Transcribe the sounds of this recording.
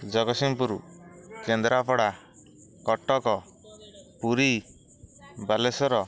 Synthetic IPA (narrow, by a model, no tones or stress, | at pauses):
d͡ʒɔɡɔsimpuɾṵkend̪ɾapʰɔɽa | kɔʈɔkɔ | puɾi | balesɔɾɔ